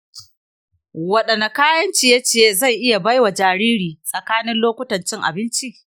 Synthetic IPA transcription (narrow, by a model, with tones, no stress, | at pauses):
wɐ˨ɗɐ˨na˨kaː˦jɐ˦nt͡ʃiː˨ja˦t͡ʃeː˨za˦˨jʔɪ˦ja˨bɐ˦jwa˨d͡ʒaː˨ɾiː˦ɽiː˨sʼɐ˨kaː˦nɪ˦nloː˦kʷʊ˦tɐ˨nt͡ʃɪ˦ŋʔa̰˨bɪ˦nt͡ʃi˦ʔ